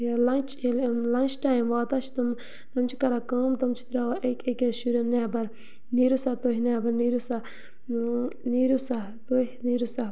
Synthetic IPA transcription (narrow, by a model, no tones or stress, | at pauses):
elɐnt͡ʃlɐnʲt͡ʃʈaːjmʋaːt̪at͡ʃʰt̪ɐm | t̪ɐmt͡ʃʰikɐɾakaːmt̪ɐmt͡ʃʰi̥t̪ɾaʋʔekekeʃuɾɐnɛːbɐɾ | niːɾusat̪oɦʲnaːbɐɾniːɾusa | niːɾusa | t̪oɦniːɾusa